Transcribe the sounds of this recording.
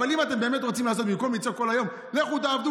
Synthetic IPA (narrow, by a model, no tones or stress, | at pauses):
alimat̪e̞mbe̞ːmet̪ʁot͡simlaːs̬ot̪̚bimkolmit͡soko̞lajo̞m | leχut̪aːvd̪u